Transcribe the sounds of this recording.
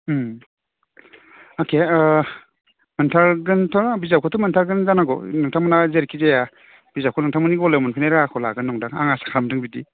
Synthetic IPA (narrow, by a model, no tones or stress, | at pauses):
akʰe | mɯntʰaɾɡɯntʰaɾabizawkʰɔtʰumɯntʰaɾɡɯnzanaɡɔ̰nɯŋtʰamɯnazeɾkʰizeja | b̥izawkʰɔnɯŋtʰaŋmɯniɡɔlewmɔnpʰinajɾakʰɔlaɡɯnːɔŋdaŋa̰ŋasḁkʰamdɯŋbidi